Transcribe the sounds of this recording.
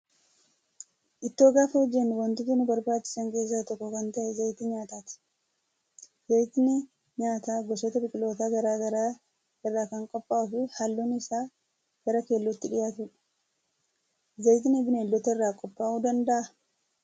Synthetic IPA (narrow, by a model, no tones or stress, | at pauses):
ʔɪt̪ːoːɡaːfeːd͡ʒːɛnːɪwɐnt̪ɪt̪ːʊnʊbɐɾbaːt͡ʃːɪ̥sɐŋke̞ːs̬ːaːt̪ɔkːɔkɐnt̪ɐʔɛzɐjt̪ɪɲaːt̪aːt̪ɪ̥ | zɐjt̪ɪnɪ | ɲaːt̪aːɡɔsɔt̪ɐbɪkʼɪlo̞ːt̪aɡɐɾaːɡɐɾa | ɪrːaːkɐŋkʼɔpʼːaːʔʊfɪhɐlːuːnɪsaː | ɡ̥ɐɾɐke̞ːlːʊt̪ːɪᶑɪjaːt̪ʊᶑɐ̥ | zɐjt̪ɪnɪbɪneːlːɔt̪ɐɪrːaːkʼɔpʼːaːʔuːd̪ɐnd̪ɐʔɐ